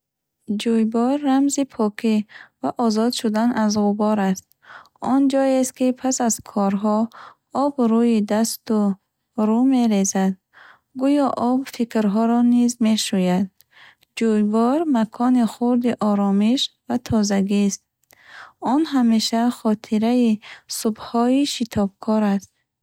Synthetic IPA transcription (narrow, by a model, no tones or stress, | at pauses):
d͡ʒujbɔɾːamzipʰɔkʰivaʔɔzɔd̪ʃud̪anazʁubɔɾast̪̚ | ɔnd͡ʒɔest̪kipʰasazkʰɔɾɦɔ | ɔbɾujid̪ast̪u | ɾume̞ɾezad̪̚ | ɡujɔʔɔbfikɾɦɔɾɔnizme̞ʃujad̪̚ | d͡ʒujvɔɾmakʰɔniχuɾd̪iʔɔɾɔmiʃvat̪ʰɔzaɡist̪̚ | ɔnɦameʃaχɔt̪ʰiɾaisubhɔiʃit̪ʰɔb̚kʰɔɾast̪̚